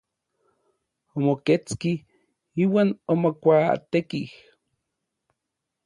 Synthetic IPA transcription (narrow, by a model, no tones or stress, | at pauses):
omoket͡ski | iːwaːnomokʷat̪ekih